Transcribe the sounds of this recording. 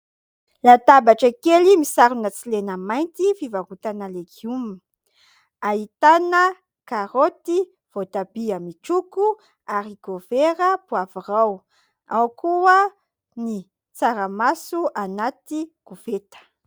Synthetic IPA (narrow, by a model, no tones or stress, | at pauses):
lat̪abaʈ͡ʂaikelimisaɾunət͡silenəmajnt̪ifivaɡut̪analeɡumi | ait̪anə | kaɾot̪i | v̥ot̪abiəmiʈ͡ʂuku | aɾiɡofeɾəpuaviraw | awkuə | ni | t͡saɾəmasuʔanat̪iɡ̥uvet̪ə̥